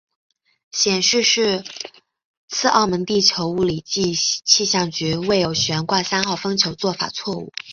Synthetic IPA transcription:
ɕjɛ˨˩nʂɻ̩˥˧ʂɻ̩˥˧ | t͡sʰɹ̩˥˧ʔɑ˥˩ʊmə˧˥ŋt̪i˥˩t͡ɕʰjo˧˥ʊu˥˩li˨˩t͡ɕi˥˧t͡ɕʰi˥˧ɕjɑ˥˩ŋt͡ɕy˧˥we˥˩ɪjo˨˩ʊɕɥɛ˧˥nkwa˥˩sa˥nxɑ˥˩ʊfɤ˥ŋt͡ɕʰjo˧˥ʊt͡swɔ˥˩fa̰˨˩t͡sʰwɔ˥˧ṵ˥˩

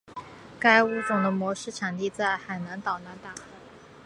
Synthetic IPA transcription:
ka˥ɪu˥t͡sʊ˨˩ŋd̪ə˦mwɔ˧˥ʂɻ̩˥˩ʈ͡ʂʰa˨˩ŋt̪i˥˧t͡sa˥˩ɪxa˨˩ɪna˧˥nt̪ɑ˨˩ʊna˧˥nt̪a˨˩x

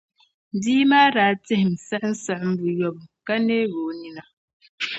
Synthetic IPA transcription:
n̩˨di˦ma˦ɾa˨˦t͡se˦hm̩˨sa˦ʔn̩˦sa˨ʔm̩˦bu˨jɔ˦˨p̚ka˦ne˦ɣo˨ni˦na˨

